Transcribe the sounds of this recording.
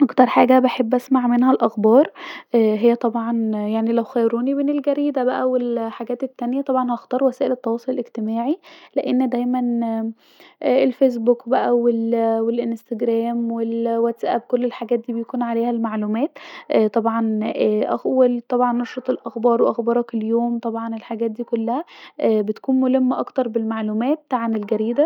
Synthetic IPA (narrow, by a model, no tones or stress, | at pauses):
ʔɑkt̪ɑɾˤħaːɡæbeħebːʔæsmaʕmenhælʔæxbɑːɾˤʔɦejːæt̪ˤɑbʕɑnjaʕnilæwxæjɾuːnimenelɡæɾiːd̪æbæʔæwelħaɡæːt̪et̪ːænjæt̪ˤɑbʕɑnhɑʔxt̪ˤɑːɾwæsæːʔelet̪ːɑwɑːsˤolelʔeɡt̪emæːʕileʔenːd̪æjmæn | elfes̬bukbæʔæwelwelʔenst̪æɡɾæːmwelwæt̪sʔæ̰b̚kolːelħaɡæːt̪̚d̪iːbejækuːnʕaleːhælmaʕluːmæːt̪ʔt̪ˤɑbʕɑnʔæxwelt̪ˤɑbʕɑnːɑʃɾɑt̪ˤelʔæxbɑːɾˤweʔɑxbɑɾˤɑkeljoːmt̪ˤɑbʕɑnelħaɡæːt̪̚d̪iːkolːæhæʔbet̪ækuːnmolemːʔɑkt̪ɑɾˤbelmaʕluːmæːt̪ːʕanelɡæɾiːd̪æ